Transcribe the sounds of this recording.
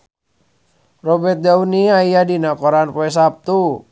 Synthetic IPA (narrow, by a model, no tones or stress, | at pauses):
rɔbɛrt̪̚dauniaijadinakɔɾanpoɛs̬ap̚t̪u